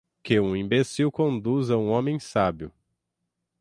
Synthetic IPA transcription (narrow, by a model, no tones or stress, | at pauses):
kɪũĩmbesiwkõnd̪uzɐũõmẽj̃sabjʊ